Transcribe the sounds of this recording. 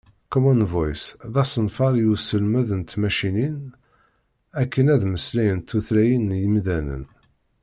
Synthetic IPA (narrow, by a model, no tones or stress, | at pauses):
komonvojsðɑsənfɑɾjusəlmæðənt̪mæʃinin | ækːənæðməslæjənt̪ːuθlæjənjəmðænə̰n